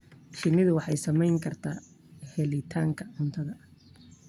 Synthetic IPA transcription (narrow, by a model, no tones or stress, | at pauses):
ʃɪnɪðʊwɑħɑjsɐmɛjŋkʰɐrt̪ʰaː | hɛlɪt̪ʰaːŋkʰɐʕʊnt̪ʰɐðɐ